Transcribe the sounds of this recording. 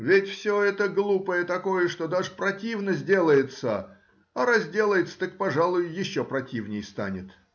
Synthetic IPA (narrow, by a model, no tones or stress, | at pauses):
vʲɪtʲfsʲoɛt̪əɡlˠupəjət̪ɐko̞jəʂt̪o̞d̪aʐɨpɾɐtʲivnəzʲdʲe̞lˠəjɪt̪sə | ɐɾɐzʲdʲe̞lˠəjɪt̪sə̥t̪ək̚pɐʐalˠʊjʊjɪɕːopɾɐtʲivnʲɪjst̪a̰nʲɪt̪